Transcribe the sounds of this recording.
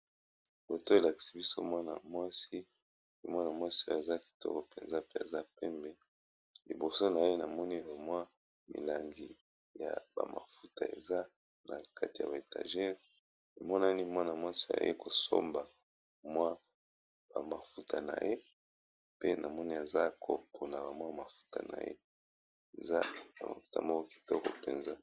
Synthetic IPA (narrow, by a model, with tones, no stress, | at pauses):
bo˨to˦e˨la˨ki̥˨si˦bi˦so˦mwa˦na̰˨mwa˦si˦ | i˦mwa˦na˨mwa˦si˦o˦a˨za˦ki̥˨tʰɔ̰˦ko˨pɛ̰˨nza˦pe˦a̰˨za˦pɛ˦mbɛ˨ | li˨bo˨so˦na˨je˦na˨mɔ˦ni˦a˨mwa˦ | mḭ˨la˨ŋɡi˨ | ja̰˨ba̰˨ma̰˨fu˦ta˨ḛ˨za˦ | na˨ka˦ti˨ja̰˨ba˨e˨ta̰˨ʒɛ˦ʁ | li˨mɔ˦na˦ni˦mwa˦na˨mwa˦si˨ja̰˨jḛ˦ko˨so̰˦mba˨ | mwa˦ | ba˨ma˨fu˦tʰa˨na̰˨je˦ | pe˦na˨mɔ˦ni˦a˨za˦kʰo˨po˨na˨ba˨mwa˦˨ma˨fu̥˦ta̰˨na̰˨jḛ˦ | e˨za̰˦ba̰˨ma̰˨fu̥˦ta̰˨mɔ˦kɔ˦ki̥˨tɔ˦ko˨pḛ˨nza˦